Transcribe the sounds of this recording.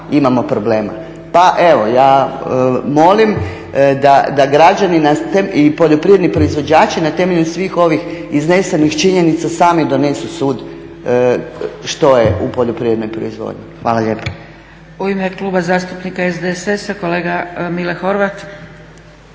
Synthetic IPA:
imamo̞pɾoble̞ːma̰ | paʔe̞ʋo̞jaː | mo̞lim | d̪ad̪aɡɾad͡ʒaninat̪eipo̞ʎo̞pɾied̪nipɾo̞izʋo̞d͡ʑd͡ʒaːt͡ʃinat̪e̞me̞ʎusʋiːxo̞ʋixiznesenixt͡ʃiɲe̞nit̪sasaːmid̪o̞ne̞susuːd̪ | ʃt̪o̞jeupo̞ʎopɾiʋe̞d̪nojpɾo̰izʋo̰d̪ɲixʋaːlaʎe̞ːpo̥ | uimekluːbazaːst̪upnikaezd̪esesakoleːɡamilexo̞ɾʋat̪

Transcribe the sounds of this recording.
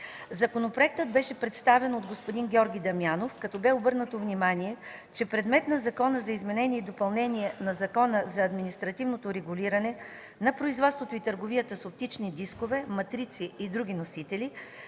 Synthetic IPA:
zɐkonopɾoɛk̚t̪əd̪̚bɛʃɛpɾɛt̪st̪avɛnod̪ɡospod̪inɡʲɔɾɡʲid̪ɐmjanofkɐt̪ɔbɛobɤɾnət̪ovnimaniɛt͡ʃɛpɾɛd̪mɛt̪nɐzɐkɔnəzɐizmɛnɛnʲiɛid̪opɐlˠnɛnʲiɛnɐzɐkɔnəzɐːd̪minist̪ɾɐt̪ivnot̪oɾɛɡuliɾɐnɛ | nɐpɾoizvɔt̪st̪vot̪oit̪əɾɡovijət̪əsop̚t̪it͡ʃnid̪iskovɛmɐt̪ɾit̪siːd̪ɾuɡʲinosit̪ɛli

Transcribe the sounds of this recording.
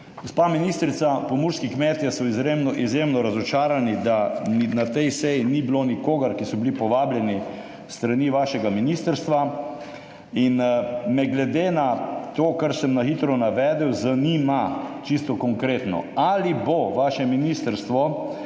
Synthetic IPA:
ɡospaminiːst̪ɾit̪sapɔmuɾskikmɛt̪jɛsɔizɾemnɔʔizjemnɔɾazɔt͡ʃaːɾanid̪anat̪ɛjsɛjinibilonikoːɡaɾkisɔbilipɔʋaːbljɛni | st̪ɾaniʋaːʃɛɡaminist̪əɾst̪ʋa | inmɛɡlɛd̪enat̪oːkaɾsɛmnaxit̪ɾɔnaʋɛːd̪ɛwzaniːmat͡ʃist̪ɔkɔŋkɾeːt̪nɔ̰aliboʋaːʃɛminist̪əɾst̪ʋɔ

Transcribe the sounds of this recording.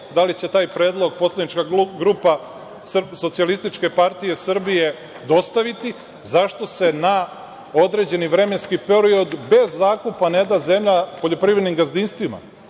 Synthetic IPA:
d̪alit͡ɕe̞t̪aːjpɾe̞ːd̪lˠo̞ɡ̚po̞slˠad̪nit͡ʃkaɡɾupa | sso̞t̪sialist̪it͡ʃke̞paɾt̪ije̞sr̩bije̞ | d̪o̞st̪aʋit̪i | zaʃt̪o̞se̞na | o̞d̪ɾe̞d͡ʑe̞niʋɾe̞me̞nskipeɾio̞d̪be̞zːaːkupane̞d̪aze̞mʎapo̞ʎo̞pɾiʋɾed̪nimɡazd̪inst̪ʋima̰

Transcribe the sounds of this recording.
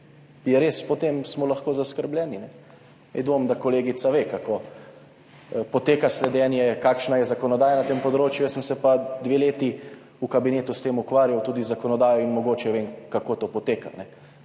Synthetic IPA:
jɛɾeːspɔt̪emsmɔlaxkoːzaskəɾblʲjɛːninɛ | mɛ̰d̪ʋomd̪akoleːɡit̪saʋeːkakoː | pɔt̪eːkaslɛd̪ɛːnjɛkaːkʃnajɛzakɔnɔd̪aːjanat̪eːmpɔd̪ɾoːt͡ʃjujəsəmsɛpad̪ʋeleːt̪i | ukabineːt̪ust̪eːmukʋaːɾjawt̪uːd̪izakɔnɔd̪aːjɔinmɔɡoːt͡ʃɛʋeːŋkakoːt̪oːpɔt̪eːka̰nɛ

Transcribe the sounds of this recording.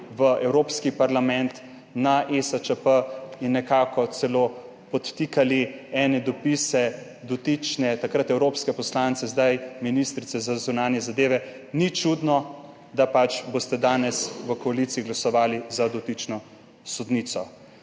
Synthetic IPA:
ʋəʔɛwɾoːpskipaɾlamɛnt̪ | naʔesat͡ʃəpəinːɛkaːkɔt̪sɛloː | pɔt̪ːikaliɛːnɛd̪ɔpisɛ | d̪ɔt̪it͡ʃnɛt̪akɾat̪ɛwɾoːpskɛpɔslant̪sɛzd̪ajminist̪ɾit̪sɛzazunaːnjɛzad̪eːʋɛ | nit͡ʃud̪nɔ | d̪apat͡ʃboːst̪ɛd̪aːnɛsʋəkɔalit̪siiɡlasɔʋaːlizad̪ɔt̪it͡ʃnɔ | sɔd̪nit̪sɔ

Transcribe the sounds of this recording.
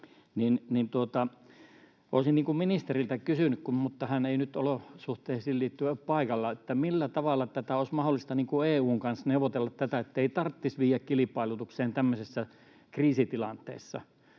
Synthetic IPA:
ninnint̪uot̪ɑ | ʔo̰ːˑsinniːŋkumminist̪erilt̪ækysynykkummut̪ːɑhæneinyt̪olosuht̪eːsilliːt̪ːyæpɑˑikɑlːɑet̪ːæmilːæt̪ɑʋɑlːˑɑt̪æt̪æoˑismɑholːˑist̪ɑniːŋkueːuːŋkɑnsneuʋˑot̪elːɑt̪t̪æt̪æet̪ːeit̪ɑrt̪ːisʋiːjˑækkilipɑˑilut̪ukseːnt̪æmːøsesːæ | kriːsit̪ilɑnt̪ˑḛˑːsːɑ̰

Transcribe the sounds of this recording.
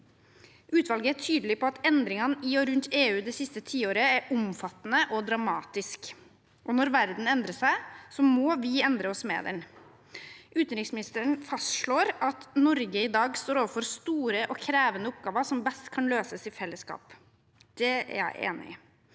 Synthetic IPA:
ʔʉːt̪ʰʋɑlɡəæʈʰyːd̪lɪpɔɑt̪ɛnd̪ɾɪŋɑnɪɔɾʉnt̪ʰeːʉːd̪ɛsɪst̪ət̪ʰiːoːɾəæɾʊmfɑt̪ːnəʔɔd̪ɾɑmɑːt̪ɪsk | ʔɔnɔɾʋæɾd̪n̩ɛnd̪ɾəsæɪsɔmɔʋɪɛnd̪ɾəɔsmḛːd̪ɛ̰n | ʔʉːt̪nɾɪksmɪnɪst̪əəɳfɑst̪ʂɭoːɾɑt̪nɔɾɡəɪd̪ɑːɡst̪oːɾoːʋəɾfɔɾst̪uːɾəʔɔkʰɾeːʋənəʊp̚ɡɑːʋəʂɔmbɛst̪kʰɑnløːsəsɪfɛlːəskɑ̰ːp | d̪̥ɛæ̰ɾjæ̰ɪʔḛːnɪ̰

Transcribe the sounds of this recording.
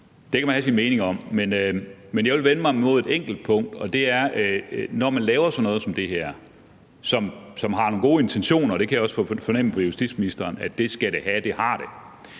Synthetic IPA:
d̥e̝kʰæmænhæsinmeːne̝ŋɒ̽m̰menømenjɑʋe̝lʋenəmɑ̈ɪmo̝ð̞ˠe̝d̥eŋ̰ɡ̥l̩d̥̚pʰɔ̽ŋ̰d̥ɒ̽d̥e̝æɐnɒmænlɛːʊɐsɒ̽nɔ̽ːð̞̩ˠsɒ̽md̥e̝heɐ̰ | sɒ̽msɒ̽mɦɑ̈no̝ːnɡ̥o̝ːe̝nt͡sʰenɕo̝̰ːnɐːɾ̥e̝kʰæjɒ̽sfɒ̽nem̰n̩pʰɒjusd̥ḭd̥̰sminisd̥ɐːnæd̥e̝sɡ̥æɾ̥e̝hæd̥e̝hɑ̈ɾ̥e̝

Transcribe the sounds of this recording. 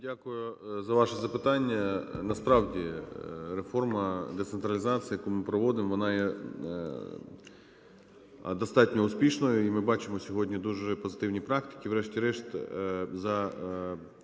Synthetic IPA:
dʲakʊjʊzɐʋɑʃɛzɐpɪt̪ɑnʲːɐnɐspɾɑwdʲirefɔrmɐd̪et̪sent̪ɾɐlʲɪzɑt̪sʲɨjɐkumɪpɾɔʋɔd̪ɪmʋɔnɑjɛ | d̪ɐst̪ɑtʲnʲɔʊsʲpʲiʃnɔjʊimɪbɑt͡ʃɪmɔsʲɔɦɔdʲnʲid̪uʒɛpɔzɪ̥t̪ɪwnʲipɾɑkt̪ɪ̥kʲiʋɾɛʃtʲiɾɛʃt̪zɐ

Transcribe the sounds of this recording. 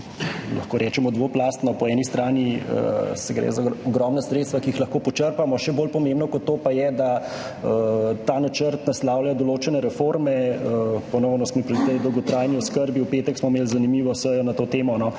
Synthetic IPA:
lʔa̰xkoːɾɛt͡ʃɛmɔd̪ʋoplaːst̪nɔpɔɛːnist̪ɾaːniə̰sɛɡɾɛ̰zaɔɡɾɔmnasɾet̪st̪ʋakiixlɐxkoːpɔt͡ʃəɾpamɔʃɛboːlpɔmẽmbnɔkɔt̪ːoːpajɛd̪a | ət̪aːnat͡ʃəɾt̪naslaːwlad̪ɔloːt͡ʃɛnɛɾɛfoɾmɛəpɔnɔwnɔsmɔipɾit̪ɛjd̪ɔwɡɔt̪ɾaːjniɔskəɾbiupeːt̪ɛksmɔmeːlzanimiːʋɔsəjɔnat̪oːt̪eːmɔnɔ

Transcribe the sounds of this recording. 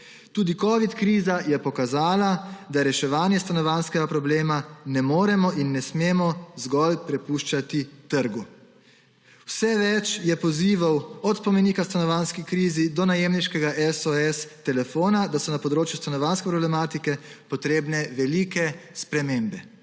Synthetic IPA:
t̪uːd̪ikɔːʋit̪kɾiːzajɛpɔkazaːlad̪aɾɛʃɛʋaːnjɛst̪anɔʋaːnskɛɡapɾɔbleːmanɛmoːɾɛmɔʔinːɛsmeːmɔzɡɔlpɾɛpuʃt͡ʃat̪it̪əɾɡu | wwsɛʋɛt͡ʃjɛpɔziːʋawɔt̪pɔmɛniːkast̪anɔʋanskikɾiːzid̪ɔnajeːmniʃkɛɡaʔɛsɔɛst̪ɛlɛfoːnad̪asɔnapɔd̪ɾoːt͡ʃjust̪anɔʋaːnskɛpɾɔblɛmaːt̪ikɛpɔt̪ɾeːbnɛʋɛlikɛspɾɛmeːmbɛ

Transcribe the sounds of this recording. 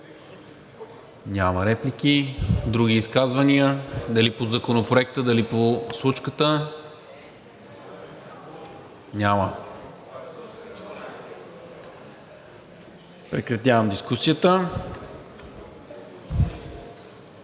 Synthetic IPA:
nʲaməɾɛplikʲid̪ɾuɡʲiːskazvɐnʲiəd̪ɐlipozɐkonopɾoɛk̚t̪əd̪ɐliposlˠut͡ʃkət̪ə | nʲamə | pɾɛkɾɐt̪ʲjavɐmd̪iskusijət̪ə

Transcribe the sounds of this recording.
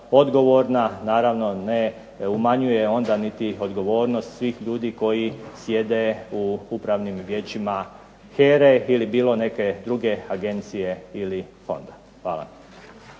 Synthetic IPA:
o̞d̪ɡo̞ʋo̞ɾnanaːɾaʋno̞ne̞ | umaɲuje̞o̞nd̪anit̪io̞d̪ɡo̞ʋoːɾno̞st̪sʋiːxʎuːd̪iːko̞jisje̞d̪e̞uupɾaʋnimʋjet͡ʃima | xeːɾeilibiːlˠo̞ne̞ke̞d̪ɾuɡe̞aɡe̞nt̪sije̞ilifo̞̰nd̪a | xʋaːla̰

